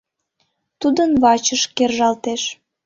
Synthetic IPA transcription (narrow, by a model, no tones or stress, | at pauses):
t̪ud̪ənβɑt͡ɕəʃkerʒɑlt̪eʃ